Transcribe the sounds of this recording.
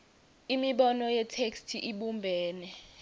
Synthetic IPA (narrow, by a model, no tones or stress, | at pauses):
imiɓɔnɔjɛtʰekstʰiʔiɓumbʱɛːnɛ